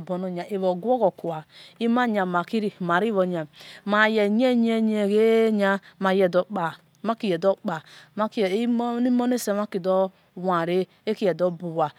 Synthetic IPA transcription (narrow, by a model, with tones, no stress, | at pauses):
bo˨no˨ɲa˨ʔi˨βo˨ɡu˦o˦ɣo˨ku˨a˨i˦ma˦ɲa˨ma˨ki˦ɾi˦˨ma˨ɾi˦βo˨ɲa˨ma˨jɛ˨ɲe˦ɲe˦ɲe˨ɡe˦ɲa˦ma˨jɛ˨do˨˦k͡pa˨ | ma˦ki˨jɛ˨do˦k͡pa˨ma˦kni˦mo˦ne˦se˨ma˦ki˨do˦ | wa˨ɾe˦ | e˦ki˦ɛ˨do˦bu˨wa˨